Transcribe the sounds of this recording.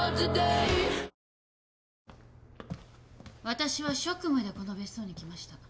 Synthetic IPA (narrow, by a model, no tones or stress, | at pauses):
zid̪ei | βat̪aɕiβaɕo̞kɯ̟mad̪e̞ko̞no̞be̞sɨ̥o̞ːɲ̟ikʲimaɕi̥t̪a